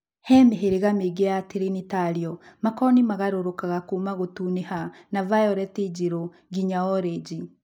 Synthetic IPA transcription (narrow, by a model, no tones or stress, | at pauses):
hɛmeɦeɾeɣameɡejateɾenitaɾiɔmakɔnimaɣaɾoɾokaɣakuːmaɣotuːnehanavajɔɾɛted͡ʒiɾo | ɡiɲaɔɾed͡ʒi